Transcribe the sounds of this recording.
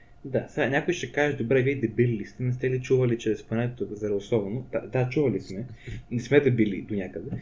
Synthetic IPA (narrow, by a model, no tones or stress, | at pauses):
d̪asɛnʲakʊjʃɛkaʒɛd̪obɾɛviɛd̪ɐbililist̪ɛnɛst̪ɛlit͡ʃuvɐlit͡ʃɾɛspɐnɛt̪ot̪ozɐɾɛʊsˠɔbnot̪a̰d̪at͡ʃuvɐlismɛnɛsmɛd̪ɐbilḭd̪onʲakəd̪ɛ